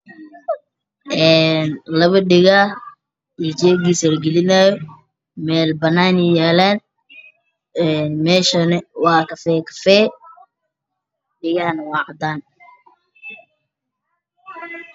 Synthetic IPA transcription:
ʔɛːnlɐβɐɖɪɣah | id͡ʒɛːɡisɐlɡɛlɪnajɔ | mɛːlbɐnaːnijɛːlɛːn | ɛnmɛːʃɐnɛwɑːkɐfɛːkʰɐ̥fɛː | ɖɪɣɐhɐnwɑʕd̪aːn

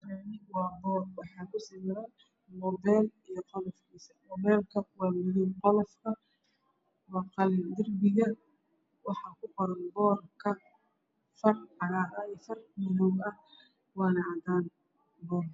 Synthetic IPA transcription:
ɾɛnɪwɑːbɔːrwɑħɑːkʰʊsɪmɪɾan | mɔbɛːlijɞqɔlɔfkʰiːsɐmɔβɛːlkʰɐwɑːmɪðʊwqɔlɔfkʰɐ | wɑːqɑld̪ɪrbɪɣɐ | wɑħɑːkʰʊqɔɾɐnbɔːrkʰɐ | fɐrħɑlaʔɐɛfɐrmɪðɔwɐ | wɑːnɐd̪aːn | bɔːr

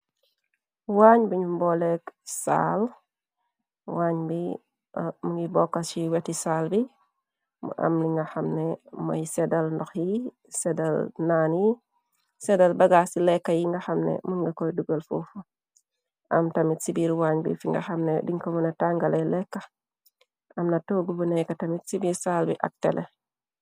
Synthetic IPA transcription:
waɲbiɲumbɔlɛksa̰l | waːɲbi | muŋibɔkːat͡ʃiwɛtisalbi | mɐ̰mniŋɡɐxɐmnɛmɐ̰jsɛdalndɔxji | sɛdɐlnaːnji | sɛdalbaɡasilɛkːajiŋɡaxamnḛmuŋɡakojduɡəlfufu | ʔamtamitsibiːɾwaɲbḭfiŋɡa̰xamnediŋkomunataŋɡalelɛkːḁ | amnatoɡubunekatɐmitsibiɾsaːlbḭʔa̰k̚tḛlʔe

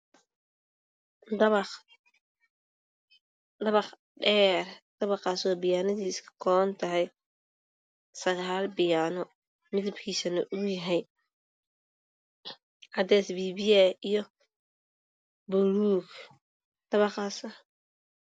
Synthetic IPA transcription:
d̪ɐβɑ | d̪ɐβɑχ | ɖɛːrd̪̥ɐβɑqɑːswaːbɪjaːnɐðiːskkʰɔnt̪ʰɐɦɛj | sɐɣaːlbɪjaːnɔ | mɪðɐbkʰiːsɐnɐʔʊjɐɦɛj | ʕɑd̪ɛːsbiːβiɛijɔ | bʊɾuːk | d̪̥ɐβɑχaːsɐ

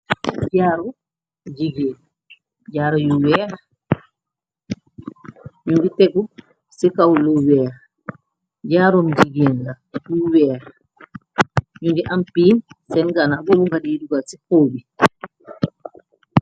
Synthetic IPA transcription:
ɟaːɾɔ | d͡ʒiɡen | ɟaːɾɔjuwɛɾ | ɲuŋɡitɛɡu | sikawluwɛːɾ | ɟaːɾɔnd͡ʒiɡenla | juwɛɾ | ɲuŋɡiʔampiːnsɛnɡanaɡoluŋɡadiduɡalsikoːbi

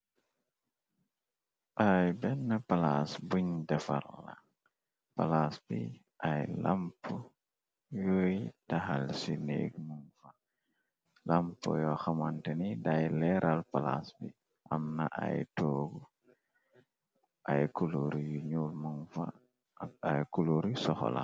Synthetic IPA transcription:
ʔajbɛnːɐpalasbuɲdɐfa̰lːa | palasbḭ | ʔajlampu | jojtaxalsinḛɡmuŋfa | lampo̰jɔxamantenidajlɛɾʔalpala̰sbḭ | ʔamnaʔa̰jtoːɡu | ʔajkuloɾijuɲulmuŋfa̰ | ajkuloɾisɔxo̰la̰

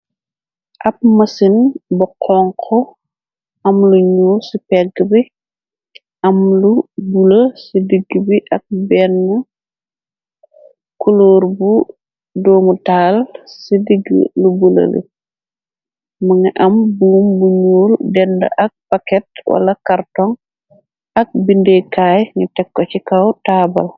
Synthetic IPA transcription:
ʔɐp̚mɐsinbɔqʰɔŋkʰɔ | ɐmluɲuːlsipɛɡːbi | ʔɐmlubuləsidiɡːibiʔɐk̚bɛnːɐ | kuloːrbu | doːmutaːlsidiɡ̰lubulɐ̰lḭ | maŋiʔɐmbuːmbuɲuːldɛnda̰ʔak̚pakɛtwa̰lakaɾtɔŋ | ak̚bindekaːjŋitɛkːɔcikawtaba̰l

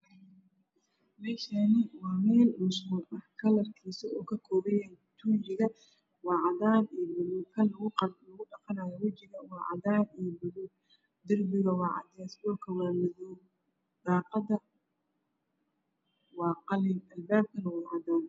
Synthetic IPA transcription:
mɛːʃanɪwɑːmɛːlmʊsʊːʔɐhkʰɐlɐrkʰɛsɔɔːkʰɐkʰɔːβɛjaːn | t̪ʰud͡ʒɪɣɐ | wɑːʕɑðaːnibʊðukʰɐnlɐɣʊɖɑqɑnaːjɔwɐt͡ʃɪɣɐwɑːʕɑ̰ðaːnijbʊðu | d̪ɐrbɪɣɐwɑːʕɑ̰d̪ɛsbɔːrkʰɐwɑːmɐðɔw | d̪̥ɑːqɑdɐ | wɑːqɑlɪnʔɐlbaːb̚kʰɐnɐwɑːʕɑd̪aːn

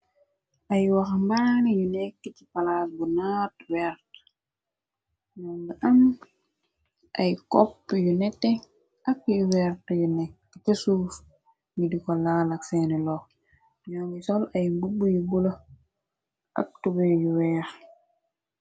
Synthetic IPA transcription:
ʔajwaxmbaŋijunɛkːicipalaːsbunaːtwɛɾt | ɲɔŋɡiʔam | ʔajkɔpːjunɛtːɛ | akjuwɛɾtjunɛkː | itesuːf | ŋidikɔlaːlaksɛnɛlɔ | ɲɔŋɡisɔlajmbubːujubula | ʔa̰k̚tubɛjuwɛːx

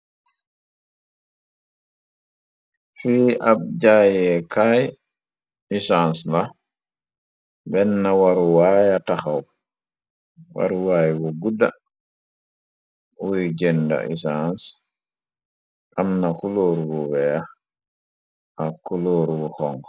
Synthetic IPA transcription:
fiːʔab̚d͡ʒajɛkaj | isansla | bɛnːawaɾuwajataxaw | wa̰ɾuwaːjwɔɡuda | wuid͡ʒɛnda̰ʔḭsans | ʔamnakuloːɾwɔwɛa | ʔakuloːɾuɡɔxɔŋɡ

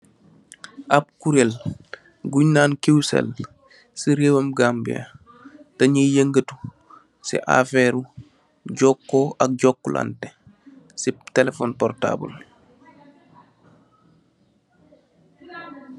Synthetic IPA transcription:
ʔap̚kuɾel | ɡuɲnaːnkewsḛl | siɾeːwɐmɡambḭa̰ | tɐɲəjəŋɡətu̥ | sḭʔa̰feːɾu | ɟɔkːɔʔɐk̚ɟɔkːula̰nte | sitɛlefɔːnpɔrta̰ːbə̰l

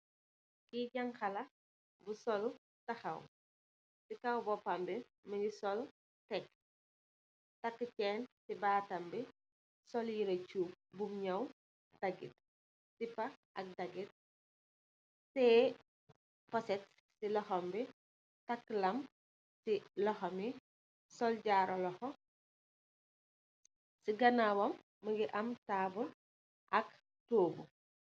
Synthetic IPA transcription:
kiɟɐŋxɐlɐ | busɔl | tɐxɐw | sikɐwbɔpːɐmbi | mɐɲisɔl | tɛk | tɐkːət͡ʃɛːnsibaːtɐmbi | sɔljiɾɐt͡ʃuːp̚bumɲɐw | d̥ɐɡḭt̚ | sipɐʔɐk̚dɐɡit̚ | sɛː | pɔsɛt̚ | silɔxɔmbi | tɐkːlɐm | silɔxɐmi | sɔlɟaːɾʔɔlɔxɔ | siɡɐnabɔmː | ɐɡiʔɐmtaːbul | ʔɐk̚ | toːbu

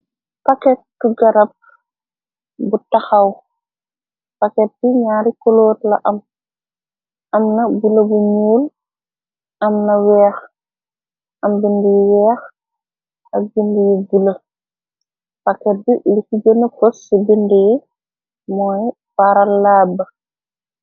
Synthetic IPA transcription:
pakɛt̚ːuɡɐɾɐp̚ | butɐxɐw | pakɛt̚biɲaːɾikoloːtlɐʔɐm | ʔɐmnɐbulɐbuɲuːl | ɐmnɐwɛːx | ʔɐmbindijiwɛːx | ɐk̚bindijiɡulə | pakɛt̚bilikiɡənɐfosːibindiji | mɔːj | paɾɐlːaːbɐ

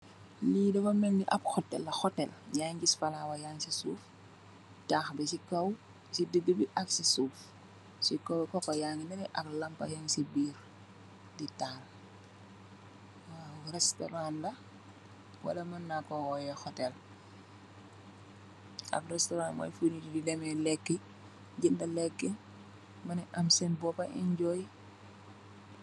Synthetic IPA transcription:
liːdɔwɐmɛŋdiʔɐpxɔtːɛ̰lːɐxɔtɛljaŋɡisfɐlawɐjaːŋsisṵːf | taːxbɛsikɐw | sidəɡəbiʔɐksisuːf | sikɐwkɔkːɔjaŋinɛnɛʔɐklɐmpɐ̰jaŋsibiːr | ditaːl | rɛstɔ̰ɾanlɐ | wɐ̰lɐmɐnːakɔwɔjɛxɔtɛl | ɐ̰brɛstɔɾaːnmɔ̰jfunitididɛmɛlɛkːɛ | ɟindɐlɛkːɛ | mɐnɛʔɐmsɛnbɔpɐʔḭnɟɔj

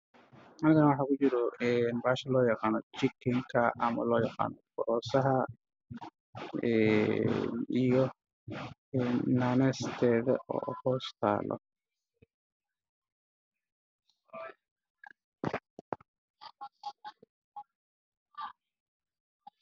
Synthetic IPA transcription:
ɐnɪɣanɐwɑħaːkʊt͡ʃɪɾɔɛːnbaːʃɐlɔːjɐqaːnɔt͡ʃɪkːɪŋkʰɐʔɐmɐ̰lɔːjɛqa̰ːnɔfɔɾɔːsɐɦɐ | ɛ | nijɔ | ɛnːaːnɛst̪ʰɛːðɐ̰ʔɔ̰ːhɔːst̪ʰa̰ːlʔɔ̰

